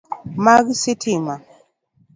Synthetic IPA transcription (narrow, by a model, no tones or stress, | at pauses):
maɣisitʰima